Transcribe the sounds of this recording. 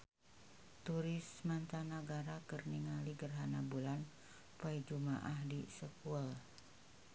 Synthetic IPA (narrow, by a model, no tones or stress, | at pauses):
t̪uɾɪsmant̪anaɡaɾakərniŋaliɡərɦanabulan | paid͡ʒuma̰ʔahdisəkual